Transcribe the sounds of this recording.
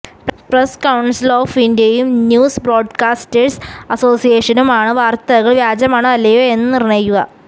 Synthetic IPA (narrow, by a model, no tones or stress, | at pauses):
preskɐwɳsiloːfindijɐjumnjuːsbro̞ːɖkaːsʈesɐso̞ːsijeːʂɐnumaːɳɨʋaːrt̪ɐɣɐɭʋjaːd͡ʑɐmaːɳɨɐlːejoːenːɨnirineːkːuɣɐ̰